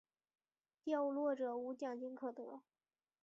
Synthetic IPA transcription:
t̪jɑ˥˧ʊ˧lwɔ˥˩ʈ͡ʂɤ˨˩u˧˥t͡ɕjɑ˨˩ŋt͡ɕi˥nkʰɤ˨˩t̪ɔ˧˥

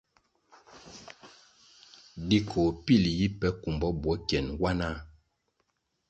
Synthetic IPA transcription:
di˦kʰo˨pi˦˨lji˦pɛ˦ku˨mbɔ˨˦bwɔ˨˦kjɛ˨nwa˦na˦

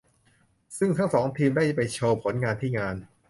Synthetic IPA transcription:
sɯ˥˩ŋt̪ʰa˥˩ŋsɔː˩˦ŋt̪ʰiː˧mdaː˥˩jpa˧jt͡ɕʰɤː˧pʰo˩˦˥nŋaː˧nt̪ʰiː˥˩ŋaː˧n

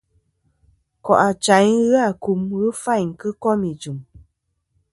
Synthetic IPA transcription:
kɔ˨ʔa˨t͡ʃa˨˦jɣɨ˦a˦˨ku˨mɣɨ˦fa˦˨jŋ̩˨kɨ˦kɔ˦mi˨d͡ʒu˨m

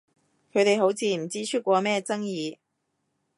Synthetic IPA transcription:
kʰɵ˨˧jt̪e˨jɦo˨˥wt͡sʰiː˨˧m̩˨˩t͡siː˥t͡ʃʰy˥t̚kʷɔː˧mɛː˥t͡sɐ˥ŋjiː˨˧

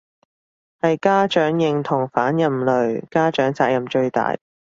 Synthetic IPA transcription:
hɐ˨jkaː˥t͡ʃœː˨˥ŋjɪ˨ŋt̪ʰʊ˨˩ŋfaː˨˥njɐ˨mlɵ˨ɥkaː˥t͡ʃœː˨˥ŋt͡saː˧k̚jɐ˨mt͡ʃɵ˧ɥt̪a̰ː˨j

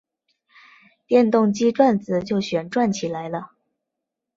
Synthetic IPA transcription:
t̪jɛ˥˧nt̪ʊ˥˧ŋt͡ɕi˥ʈ͡ʂwa˥˩nt͡sɹ̩˨˩t͡ɕjo˥˩ʊɕɥɛ˨˩nʈ͡ʂwa˥˩nt͡ɕʰi˨˩la˧˥ɪlə˧

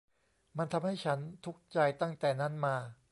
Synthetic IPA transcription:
ma˧nt̪ʰa˧mha˥˩jt͡ɕʰa˦˥nt̪ʰu˦˥k̚t͡ɕa˧jt̪a˥˩ŋt̪ɛː˨˩na˦˥nmaː˧

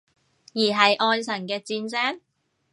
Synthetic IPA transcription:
jiː˨˩ɦɐ˨jʔɔː˧nsɐ˨˩nkɛː˧t͡siː˧nsɛː˥ŋ

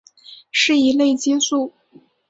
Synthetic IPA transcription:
ʂɻ̩˥˩i˧˥le˥˩ɪt͡ɕi˥su˥˩

